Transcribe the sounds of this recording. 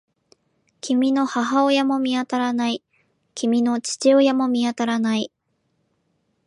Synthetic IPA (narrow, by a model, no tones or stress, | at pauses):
kʲimʲino̞haɦaojamo̞mʲiat̪aɾanai | kʲimʲino̞t͡ɕi̥t͡ɕiojamo̞mʲiat̪aɾanai